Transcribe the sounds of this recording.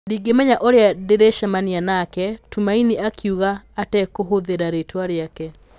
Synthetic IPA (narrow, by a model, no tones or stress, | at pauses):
diːɡemɛɲaʔoɾeadeɾeʃamanianakɛtumaineʔakʰjuɣaːtɛkoɦoðeɾaɾetwaɾeakɛ